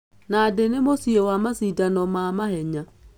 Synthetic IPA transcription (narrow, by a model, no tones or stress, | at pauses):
nadenemosiewamasidanɔmamaɦɛɲa